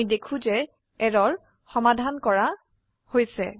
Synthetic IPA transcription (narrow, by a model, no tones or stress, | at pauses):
jdekʰũzɛ | ɛɹɔɹ | xɔmadʱankɔɹa | hojsɛ̰